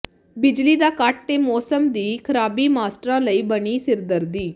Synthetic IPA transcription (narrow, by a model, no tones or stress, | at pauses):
bɪd͡ʒliːd̪aːkaʈ̚t̪eːmɔːsəmd̪iːkʰəɾaːbiːmaːsʈɾãːləiːbəɽ̃iːsɪɾd̪əɾd̪iː